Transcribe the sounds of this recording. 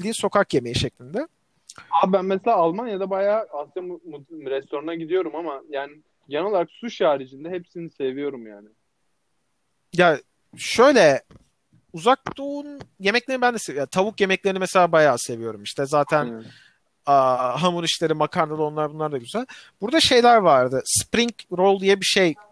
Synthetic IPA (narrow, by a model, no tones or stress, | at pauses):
ilʲd̪iːnso̞kʰakje̞me̞jiʃɛclʲind̪ɛ | abænmɛselʲaːlˠmanjad̪abajaːasamuɾɛst̪o̞ɾanaɟid̪ijo̞ɾumamajaːnɪ | ɟenɛolˠaɾaksuʃaːɾid͡ʒind̪ɛɦepsinise̞vijo̞ɾumjaːnɪ | ja | ʃø̞jlʲɛ | uzak̚d̪oːnje̞mɛclʲe̞ɾnibænd̪ɛsejaːt̪ʰaβukje̞mɛclʲe̞ɾinimɛse̞lʲaːbajaːse̞vijo̞ɾumiʃt̪ʰɛzaːt̪ʰæn | aɦamuɾiʃlʲeɾimakʰaɾnalˠɯo̞nlˠaɾbunlˠaɾd̪aɟyzælʲb̥uɾd̪aʃe̞jlʲæɾvaɾd̪ɯspɾiŋcɾo̞lˠd̪ijɛbiʃej